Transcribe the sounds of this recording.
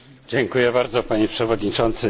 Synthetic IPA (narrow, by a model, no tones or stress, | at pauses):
d͡ʑɛŋkujɛbaɾd̪zɔpaɲɛpʂɛvɔd̪ɲit͡ʂɔnt̪sɘ